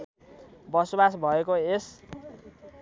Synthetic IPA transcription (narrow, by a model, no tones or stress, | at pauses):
bʌsobasbʱʌekoes